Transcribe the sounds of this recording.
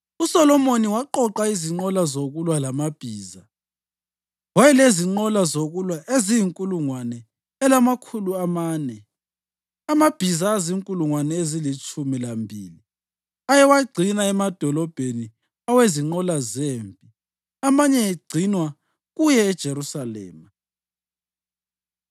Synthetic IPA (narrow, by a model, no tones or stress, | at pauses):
usɔlɔmoniwaǃɔǃaiziŋ͡ǃɔlazoɣulwalamab̥ʱiːza | wajɛleziŋ͡ǃɔlazoɣulwaʔezijiŋkʼuluŋwanɛː | lamakʰuluamaːnɛ | amab̥ʱizaːziŋkʼuluŋwanɛezilit͡ʃʼumilambʱiːli | ajɛwaɡ͡ǀʱinaɛmad̥ʱɔlɔb̥ʱeni | aweziŋ͡ǃɔlazeːmpʼi | amaɲɛeɡ͡ǀʱinwa | ɣujɛːd̥ʒ̥ʱeɾusalɛ̰ːma